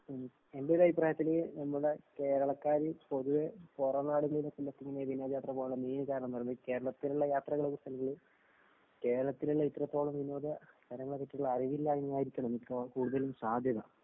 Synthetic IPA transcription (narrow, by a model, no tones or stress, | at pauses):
embelɐipraːjɐt̪ːilenɐmːuuɽeke̞ːɾɐɭɐkːaːɾɨpo̞ðuʋeporɐnaːɽuɣɐɭilɐsɐlːɐt̪ːiŋːɐnejʋinːod̪ɐjaːt̪rɐpoːɭɐmiːnɨkaːɾɐɳɐmɐrnːke̞ːɾɐɭɐt̪ːiluɭːɐjaːt̪rɐɣɐɭɐkust̪ʰɐlɐɣɐɭɨ | ke̞ːɾɐɭɐt̪ːiluɭːɐit̪ːrɐt̪ːo̞ːɭumʋinːo̞ːðɐst̪ʰɐɾɐŋːɐɭekeʈːiuɭːɐɐriʋilːaːjinaːjiɾikʲːɐɳɐmikːokuːɽuðɐlumsaːd̪ʱjɐðɐ